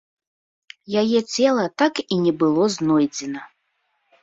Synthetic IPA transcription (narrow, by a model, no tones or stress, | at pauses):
jajɛt͡sʲɛlˠɐt̪akinʲɛbɨlˠɔznɔjd͡zʲɛnɐ